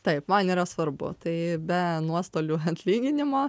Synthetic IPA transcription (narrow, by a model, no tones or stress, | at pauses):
t̪ɐɪpmɐniːɾɐsʋɐɾbʊ̰t̪ɐɪbʲɛnuɔst̪oːlʲuːɐt̪ʲlʲiːɡʲɪnʲɪmoː